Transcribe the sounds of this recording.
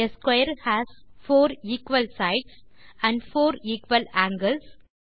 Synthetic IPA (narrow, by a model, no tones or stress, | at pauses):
eskwaɪəɾhæsfoːɾiːkʋəlsaɪʈsæ̃ɳɖfoːɾiːkʋəlæ̃ːŋɡəls